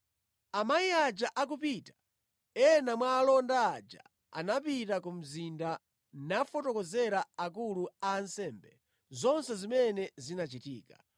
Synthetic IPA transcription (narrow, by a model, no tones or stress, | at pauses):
amajiad͡ʒaʔak̬upitḁ | ɛnamwaːlɔndaːd͡ʒa̰ | a̰napitakum̩zinda | nafɔtɔkɔzɛɾaak̬uluaːnsɛːmbɛ | zɔnsɛzimɛnɛzinat͡ʃitḭːka